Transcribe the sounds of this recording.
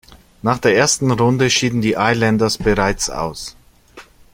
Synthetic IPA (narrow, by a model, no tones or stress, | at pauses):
naːχd̥eːɐʔeːɐstn̩ʁʊndəʃiːdn̩diːʔaɪlɛndɐsb̥əʁaɪt͡sa̰ʊs